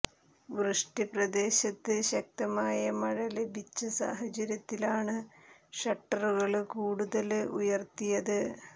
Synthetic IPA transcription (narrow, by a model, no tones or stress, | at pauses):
ʋruʂʈiprɐd̪e̞ːɕɐt̪ːɨɕɐk̚t̪ɐmaːjɐmɐɻɐlebʱit͡ɕːɐsa̰ːɦɐt͡ɕɐɾjɐt̪ːilaːɳɨʂɐʈːɐruɣɐɭkuːɽuðɐlujɐrt̪ijɐðɨ